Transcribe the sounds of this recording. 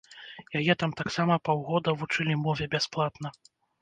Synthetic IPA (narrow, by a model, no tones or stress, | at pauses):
jajɛt̪amt̪aksamɐpawɣɔd̪ɐvut͡ʂɨlʲimɔvʲɛbʲasplˠat̪nɐ